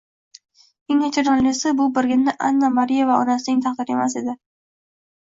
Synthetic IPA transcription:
eŋat͡ʃʰaɾɑlɪsɪbʊbɪɾɡʲɪnːɪʔa̰nːamaɾijavaɒnasɪnɪŋt̪ʰɑqd̪ɪɾe̞mas̬e̞d̪ɪ

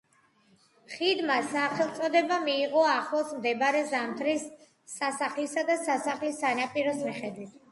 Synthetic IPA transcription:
χid̪masaχɛlˠt̪sʼɔd̪ɛbamiːʁɔaχlˠɔsmd̪ɛbaɾɛzamt̪ʰɾisː | asaχlisad̪asasaχlisːanapʼiɾɔsmiχɛd̪wit̪ʰ

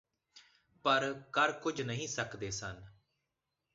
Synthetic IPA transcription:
pəɾkəɾkʊd͡ʒnəɦĩːsəkd̪eːsən

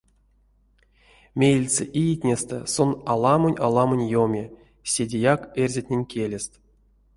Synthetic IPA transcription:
mʲejlʲt͡sḛʔijitʲnʲest̪ɛ̰sonalˠamonʲalˠamonʲjomʲe | sʲedʲejakerʲzʲetʲnʲenʲkʲelʲest̪

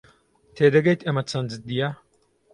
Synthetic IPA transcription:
t̪ʰeːd̪ɐɡɐjt̪ɐmɐt͡sʰɐnd͡zɨt̪̚d̪ijɐ

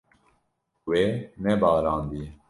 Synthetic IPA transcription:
weːnɛbɑːɾɑːnd̪i

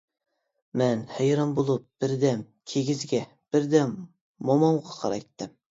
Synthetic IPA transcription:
mɛnhɛjɾɑnbolˠup̚b̥ɪɾd̪ɛm | kʲʰeɡʲizɡʲɛ | b̥ɪɾd̪ɛmː | omɑŋʁɑqʰɑɾɑ̰jt̪ʰːɨm

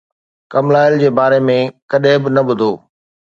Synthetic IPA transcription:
kɐmlaːɪld͡ʑeːbaːɾemẽkɐɗẽbɪnɐɓʊd̪ʱoː

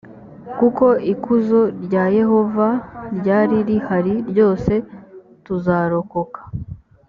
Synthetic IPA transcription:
kuko̞ʔikuzo̞ɾɟaje̞ho̞vaɾɟaːɾiɾihaɾiɾɟo̞ːse̞ | tuzaːɾo̞ko̞kḁ

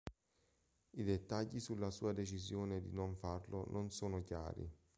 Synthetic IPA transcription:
id̪et̪ːaʎːisulːasuːad̪et͡ʃizjoːned̪inoɱfarlonʔonsoːnokja̰ːɾḭ

